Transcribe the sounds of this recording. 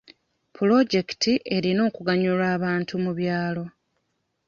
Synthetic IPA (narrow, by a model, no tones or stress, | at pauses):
pulo̞ɟe̞ktiʔe̞ɾino̞ːkuɡaɲulaːβaːntumuβjaːlo̞